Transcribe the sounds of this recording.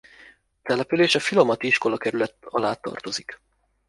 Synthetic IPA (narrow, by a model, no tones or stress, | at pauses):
t̪ɛlɛpyleːʃɒfilo̞mɒt̪iiʃko̞lɒkɛɾylɛt̪ːɒlaːt̪ːɒ̰rt̪ozik